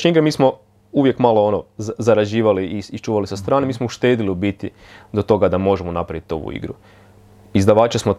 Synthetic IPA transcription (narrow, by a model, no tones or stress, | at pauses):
ʃɲeiɡɾemiːsmo̞ | uʋje̞kmaloonozaɾad͡ʑiːʋaliisit͡ʃuːʋalisast̪ɾaːnemiːsmouʃt̪e̞ːd̪iliubit̪i | d̪o̞t̪o̞ɡad̪amo̞ʒemonapɾaʋit̪o̞̰ʋṵḭɡɾṵ | izd̪aʋaːt͡ʃasmo